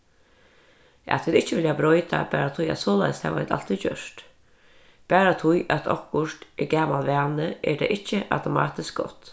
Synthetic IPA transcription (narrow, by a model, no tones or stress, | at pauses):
ʔa̰t̪ʰʋɪːd̪ɪht͡ʃːəʋɪljabɾɔjt̪a̰bæːɾat̪ʰʊja̰t̪soːla̰jst̪hɛ̰ʋaɪ̰t̪a̰l̥t̪ʰit͡ɕœʂt̪ | b̥æːɾat̪ʰʊjʔat̪ʰɔ̰kʊʂt̪ʔɛɡaːmalʋæːnəʔɛd̪ɛ̰ʔɪht͡ʃːəʔa̰wt̪ʊmɑ̰ːt̪ɪsk̚ɡɔ̰t̪